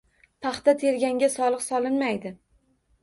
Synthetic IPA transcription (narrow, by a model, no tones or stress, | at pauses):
pʰɑχt̪at̪ʰe̞ɾɡʲaŋɡʲasɒlˠɨqsɒlɪnmajd̪ɪ